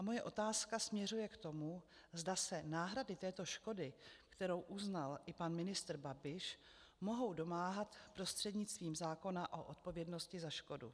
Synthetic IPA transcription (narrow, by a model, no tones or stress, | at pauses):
ʔamo̞jɛʔo̞t̪aːskasmɲɛr̝ujɛkt̪o̞mu | zdasɛnaːɦɾadɪt̪ɛːt̪o̞ʃko̞dɪkt̪ɛɾo̞wʔuznalɪpanmɪnɪst̪r̩babɪʃ | mo̞ɦo̞wdo̞maːɦat̪pɾo̞st̪r̝̥ɛdɲɪt͡st̪viːmzaːko̞naʔo̞ʔot̪̚po̞vjɛdno̞scɪzaʃko̞dṵ